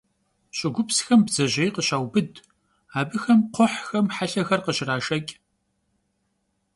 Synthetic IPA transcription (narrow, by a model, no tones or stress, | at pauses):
ɕʼɪɡʷʊpsxɐmbzɐʑejqəɕaːwbɨd | aːbɨxɐmqʷʰɔħxɐmħaɬɐxɐrqəɕɪraːʃɐkʲʼ